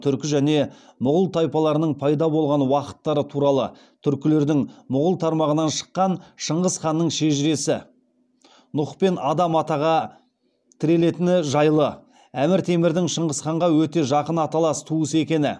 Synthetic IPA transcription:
t̪ʰʏɾkʲɪʒæne̞mʊʁəlˠt̪ʰɑjpɑlˠɑɾənəɴpʰɑjd̪ɑbo̞lˠʁɑnwɑqə̥t̪ːɑɾət̪ʰuɾɑlˠə̰ | t̪ʰʏɾkʲɪle̞ɾd̪ɪŋmʊʁəlˠt̪ʰɑɾmɑʁənɑnʃə̥qːɑnʃəɴʁəzχɑnːəɴʃe̞ʒɪɾe̞sɪ | nʊχpe̞nɑd̪ɑmɑt̪ɑʁɑ | t̪ʰɪɾe̞le̞t̪ɪnɪʒɑjlˠə | æmɪɾt̪ʰe̞mɪɾd̪ɪŋʃəɴʁəsχɑɴʁɑwɵt̪e̞ʒɑqənɑt̪ɑlˠɑst̪ʰuəse̞kʲe̞nɪ

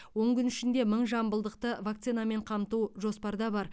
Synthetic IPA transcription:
wo̞ɴkʲʏnɪʃɪnd̪e̞məɴʒɑmbəlˠd̪əqt̪əvakt̪sɨjname̞ɴqʰɑmt̪uʒo̞spɑɾd̪ɑbɑɾ

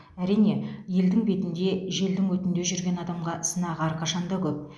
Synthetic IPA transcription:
æɾijne̞je̞ld̪ɪŋbe̞t̪ɪnd̪e̞ʒe̞ld̪ɪŋwɵt̪ɪnd̪e̞ʒʏɾɡʲe̞nɑd̪ɑmʁɑsənɑʁɑɾqʰɑʃɑnd̪ɑkʲʰɵp̚

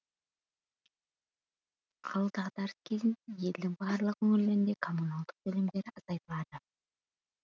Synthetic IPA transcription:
qʰɑlˠət̪ɑʁd̪ɑɾəskʲʰe̞zɪnje̞ld̪ɪŋbɑɾlˠəqkʲʰɵŋɪɾleɾɪnd̪e̞kʰo̞munalˠd̪əq̚bɵlɪmd̪e̞ɾɪɑzɑjt̪əlˠɑd̪ə

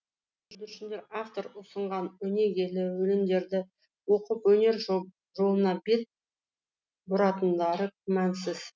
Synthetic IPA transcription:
ʏʒbʏɾʃɪnd̪e̞ɾaft̪o̞ɾʊsəɴʁɑnɵne̞ɡʲe̞lɪwɵlɪmd̪e̞ɾd̪ɪ | wo̞qəpwɵne̞ɾ | ʒo̞lˠənɑbe̞t̪̚ | bʊɾɑt̪ənd̪ɑɾəkʲʰʏmænsɪz̥

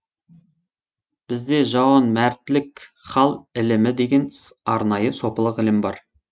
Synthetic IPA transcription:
b̥ɪzd̪e̞ʒɑwɑnmæɾt̪ɪlɪkχɑlˠɪlɪmɪd̪e̞ɡʲe̞nɑɾnɑjəso̞pəlˠəqɪlɪmbɑ̰ɾ

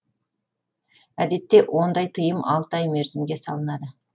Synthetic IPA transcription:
æd̪e̞t̪ːe̞wʔo̞nd̪ɑjt̪ʰəjəmɑ̰lˠt̪ɑjme̞ɾzɪmɡʲe̞sɑ̰lˠənɑd̪ə

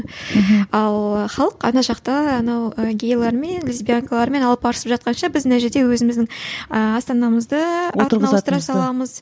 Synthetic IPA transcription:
ɑlˠəχɑlˠəqɑ̰nɑʃɑqt̪ɑːnɑwəɡʲejlˠɑɾme̞nlʲizbʲijaŋkalˠɑɾme̞nɑlˠəpɑɾəsəpʒɑt̪̚qɑnʃɑbɪznæʒeɾd̪e̞wɵzɪmɪzd̪ɪŋəɑst̪ɑnɑməzd̪əɾəɾɑlˠəəɾɑsɑlˠɑməz

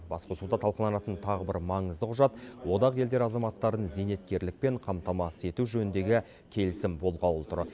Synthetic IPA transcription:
bɑ̰sqəsʊlˠd̪ɑt̪ʰɑlˠqəlˠɑnɑt̪ənt̪ʰɑʁəbɪɾmɑɴəzd̪əqʰʊʒɑt̪wo̞d̪ɑʁje̞ld̪e̞ɾɑzɑmɑt̪ːɑɾənze̞ne̞t̪kʲe̞ɾlɪk̚pe̞ɴqʰɑmt̪ɑmɑse̞t̪uʒɵnɪnd̪e̞ɡʲɪ | kʲʰe̞lɪsɪmbo̞lˠʁɑt̪ʰʊɾ

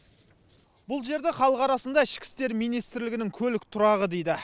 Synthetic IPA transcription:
bʊlˠʒe̞ɾd̪eχɑlˠəqɑɾɑsənd̪ɑɪʃkʲɪ̥st̪e̞ɾmijnijst̪ɪɾlɪɡʲɪnɪŋkʲʰɵlɪk̚ʲt̪ʰʊɾɑʁəd̪ejd̪ɪ

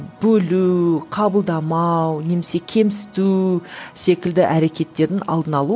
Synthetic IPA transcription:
bɵluqʰɑbəlˠd̪ɑmɑwne̞mese̞kʲʰe̞msɪ̥t̪use̞kʲɪld̪ɪʔæɾe̞kʲe̞t̪ːe̞ɾd̪ɪnɑ̰lˠd̪ənɑlˠu

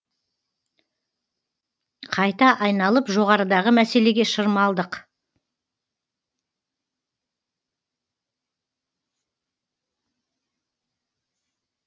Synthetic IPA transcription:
qʰɑjt̪ɑʔɑjnɑlˠəpʒo̞ʁɑɾəd̪ɑʁəmæse̞le̞ɡʲeʃəɾmɑlˠd̪əq

